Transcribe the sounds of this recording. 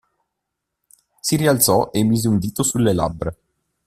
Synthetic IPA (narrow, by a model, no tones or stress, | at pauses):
siɾialt̪sɔʔemːiːzeund̪iːt̪osulːela̰bːɾe